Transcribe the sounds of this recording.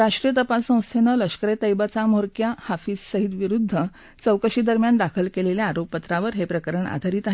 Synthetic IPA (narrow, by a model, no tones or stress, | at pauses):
ɾaʂʈɾijət̪əpasːə̃w̃st̪ʰenələʂkəɾet̪əjbat͡samoɾkjahafiːssəɦit̪ʋiɾud̪ʱːə | t͡səwkəɕiːd̪əɾmjand̪akʰəlkeleljaaɾoppət̪ɾaʋəɾɦepɾəkəɾəɳa̰d̪ʱaɾiːt̪aɦe